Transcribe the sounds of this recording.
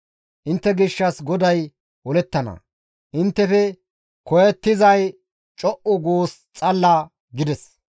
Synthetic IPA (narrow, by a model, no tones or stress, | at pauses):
ʔɪnt̪ːɛɡɪʃːɐsɡɔd̪ɐj | wɔlɛt̪ːɐnɐ̰ | ʔɪnt̪ːɛfɛ | kɔjɛt̪ːɪzɐj | t͡ʃʼɔʔʊɡoːs | t͡sʼɐlːaː | ɡɪd̪ɛs